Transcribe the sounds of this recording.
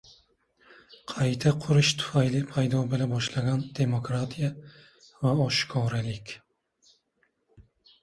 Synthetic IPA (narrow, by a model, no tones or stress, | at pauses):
qʰɑjt̪ʰaqʰʊɾɪʃt̪ʰʊ̥fajlɪpʰajd̪ɒbɪlabɒʃlaɡʲand̪̥e̞mokɾat̪ʰija | vaɒʃkʰɒɾalɪkʲ